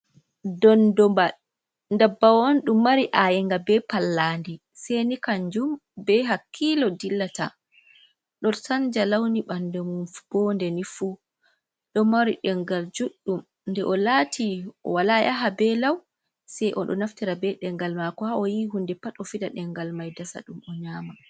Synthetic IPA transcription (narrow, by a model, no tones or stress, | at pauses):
dɔndɔmba | ndabːawonɗumːaɾiʔajɛŋɡabɛpalːaːndi | sɛjnikaɲd͡ʒumbɛɦakʰːilɔdilːata̰ | ɗɔnsand͡ʒalawniɓandɛmb̥ɔndɛnifu | ɗɔmaɾiɗɛŋɡald͡ʒuɗːum | ndɛʔɔlatʰiɔ̰walaja̰ɦabɛlaw | sɛjʔɔɗɔ̰naftiɾabɛɗɛŋɡalmakɔhaɔjiɦundɛpatɔfidaɗɛŋɡalmajdasa̰ɗumɔɲaːma